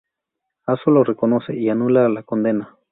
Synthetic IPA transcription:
asolorekonoseianulalakond̪ena

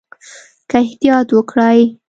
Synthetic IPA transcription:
kaɪht̪ijɑt̪wəkɽaj

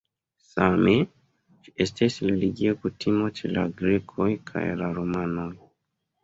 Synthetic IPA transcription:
same | t͡ʃi̥estesleliɡiokutimot͡ʃila̰ɡɾekʰojkʰa̰jlaɾomanoj

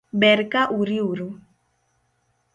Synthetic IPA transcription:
bɛɾkaʔuɾiuɾu

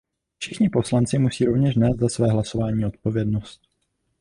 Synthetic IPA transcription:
fʃɪxɲɪpo̞slant͡sɪmusiːɾovɲɛʃnɛːst̪zasvɛːɦlaso̞vaːɲiːo̞t̪̚po̞vjɛdnost̪̚

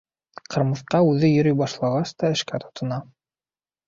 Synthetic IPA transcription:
qʰɤ̆ɾmɤ̆θqɑʉðɘjɵ̆ɾɵjbɑʃlˠɑʁɑst̪ɑɘ̆ʃkæt̪ʰŏ̥t̪ɤ̆nɑ

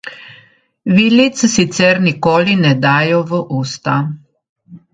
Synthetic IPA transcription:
ʋiːlit̪ssit̪sɛɾnikoːlinɛd̪aːjɔʋəʔuːst̪a

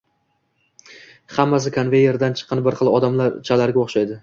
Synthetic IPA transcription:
χamːas̬ɪkʰonve̞jːe̞ɾd̪ant͡ʃʰɨ̥qʰɨnbɪɾχɨlˠɒd̪amlaɾt͡ʃʰalaɾɡʲaoχʃajd̪ɪ

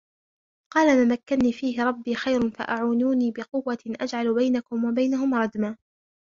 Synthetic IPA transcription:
qɑːlamamakːanniːfiːhɪɾˤɑbːiːxajɾʊnfa̰ʔaʕuːnuːniːbɪqʊwːaʔad͡ʒʕalbajnakʊmwabajnaɦʊmɾˤɑd̪maː

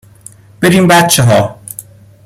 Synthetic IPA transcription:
b̥eɾiːmbæt̪t͡ʃʰːeɦɒː

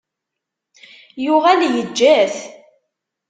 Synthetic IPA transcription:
jʊʁæljəd͡ʒːæθ

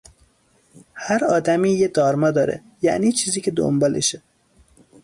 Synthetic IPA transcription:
hæɾɒːd̪æmiːjed̪ɒːɾmɒːd̪ɒːɾḛ | jæ̰ʔniːt͡ʃʰiːziːcʰed̪o̰mbɒːlʔeʃe

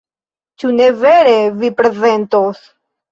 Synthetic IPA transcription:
t͡ʃune̞ve̞ɾevipɾe̞ze̞ntos

